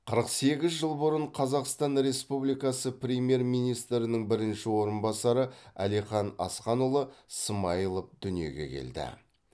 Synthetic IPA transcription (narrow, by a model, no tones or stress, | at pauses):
qʰəɾəqse̞ɡʲɪzʒəlˠbəɾəɴqʰɑzɑqst̪ɑnɾe̞spublijkɑsəpɾʲemje̞ɾmijnijst̪ɾɪnəŋbɪɾɪnʃɪwo̞ɾənbɑsɑɾəæ̰lijχɑnɑ̰sqɑnulˠəsəmɑjəlˠəp̚d̪ʏnije̞̰ɡʲe̞̰kʲʰḛld̪ɪ̰